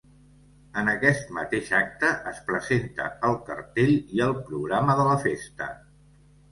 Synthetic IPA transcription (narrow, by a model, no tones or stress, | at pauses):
ənəkɛst̪mət̪eʃak̚t̪əʔəspɾəzent̪ə̰əlˠkərt̪eʎiəlˠpɾuɣɾaməðələfest̪ə̰